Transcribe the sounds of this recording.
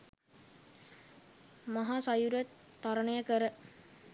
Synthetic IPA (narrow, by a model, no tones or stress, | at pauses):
maɦaːsajuɾət̪ːaɾənəjəkəɾə